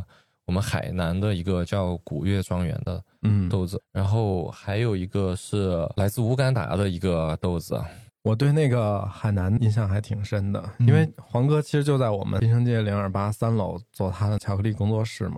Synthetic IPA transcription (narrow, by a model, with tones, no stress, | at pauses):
wɔ˨˩mə˦nxa˨˩ɪna˧˥nd̪ə˧i˧˥ɡə˧t͡ɕjɑ˥˩ʊku˨˩ɥɛ˥˩ʈ͡ʂwɑ˥ŋɥɛ̰˧˥nd̪ə̰˧ | n̩˥˩t̪o˥˩ʊd͡zɹ̩˩ɻa˧˥nxo˥˩ʊxa˧˥ɪjo˨˩ʊi˧˥ɡə˧ʂɻ̩˥˩la˧˥ɪt͡sɹ̩˥˩˧u˧˥ka˥nt̪a̰˨˥d̪ə˧i˧˥ɡə˧t̪o˥˩ʊd͡zɹ̩̰˩wɔ˨˩t̪we˥˧ɪne˥˩ɪɡə˩xa˨˩ɪna˧˥ni˥nɕjɑ˥˩ŋxa˧˥ɪt̪ʰi˨˩ŋʂə˥nd̪ə̰˨i˥nwe˥˩ɪxwɑ˧˥ŋkɤ˥t͡ɕʰi˧˥ʂɻ̩˧˥t͡ɕjo˥˧ʊt͡sa˥˩ɪwɔ̰˨˩mʔə̰˦i˥ʂ̬ɤ˥ŋt͡ɕjɛ˥˩ljɛ˧˥ŋə˞˨˩pa˥sa˥nlo˨˩ʊt͡swɔ˥˩t̪ʰa˥d̪ə˨t͡ɕʰjɑ˧˥kʰɤ˧li˥˩kʊ˥ŋt͡swɔ˥˧ʂɻ̩˥˩mɐ̰˩